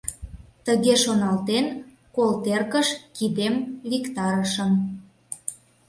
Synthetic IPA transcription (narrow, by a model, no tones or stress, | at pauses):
t̪əɣeʃonɑlt̪en | kolt̪erkəʃkid̪emlikt̪ɑɾəʃəm